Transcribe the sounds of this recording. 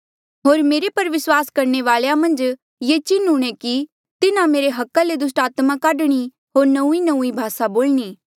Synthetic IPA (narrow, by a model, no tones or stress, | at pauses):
ɦoːɾmeːɾepɐɾʋɪswaːskɐɾɳeʋaːljamɐ̃nd͡ʒ | jet͡ʃɪnuɽ̃eki | t̪ɪnãmeːɾeɦɐkːaled̪ʊs̬ʈaːt̪mãkaːɖɽ̃i | ɦoːɾnɐ̃ũinɐ̃ũibʱaːsaboːlñiː